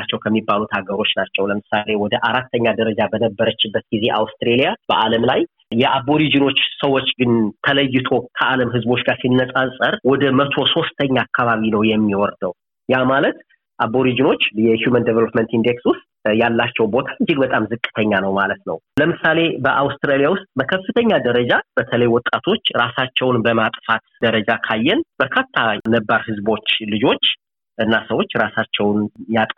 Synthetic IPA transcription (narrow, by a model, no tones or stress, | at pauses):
at͡ʃːɛwkʰəmːibːalut̪haɡəɾo̞t͡ʃːnat͡ʃːɛwləmɨsale̞wɔd̪əʔaɾat̪ʰːəɲːad̪əɾəd͡ʒabənəbːəɾət͡ʃːɪbːət̪̚ɡ̥ize̞ʔawst̪ɾelijab̥əʔaləmlaj | jɛʔabo̞ɾid͡ʒɨno̞t͡ʃːsəwo̞t͡ʃːɡɨnt̪ʰələjːɪt̪ʰo̞kʰəʔaləmɦɨzbo̞t͡ʃːɡaɾsinːəsʼasʼəɾwɔd̪əmət̪ʰo̞so̞st̪ʰəɲːaːkʰːaβaβinəwjɛmːiwɔɾd̪əw | jamalət̪ | ʔaβo̞ɾid͡ʒɨno̞t͡ʃːjɛhjumənd̪evəlopment̪ind̪ekswʊst̪̚ʼ | jalːat͡ʃːɛwbo̞t̪ʰaɨd͡ʒːɪɡ̚bət̪ʼamzɨkʼːɨ̥t̪ʰəɲːanəwmalət̪nə̰wləmɨsale̞bəʔawst̪ɾalijawʊst̪ʼməkʰəfːɨt̪ʰəɲːad̪əɾəd͡ʒab̥ət̪ʰələjwɔt̪ʼːat̪ʰo̞t͡ʃːɾasat͡ʃːɛwnbəmat̪ʼfat̪d̪̥əɾəd͡ʒakʰajːɛnb̥əɾkʰat̪ʰːanəbːaɾhɨzbo̞t͡ʃːlɨd͡ʒo̞t͡ʃː | ʔɨnːasəwo̞t͡ʃːɾasat͡ʃːɛwnjat̪ʼ